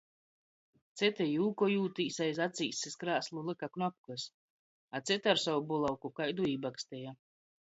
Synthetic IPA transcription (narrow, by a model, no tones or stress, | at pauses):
t̪sʲɛt̪ɛjuːkɔjuːt̪iːsajzat̪sʲḭːseskɾaːslˠulˠɨkaknɔp̚kɨs | at̪sʲɛt̪aɾsawubulˠawkukajd̪uiːbakst̪ɛja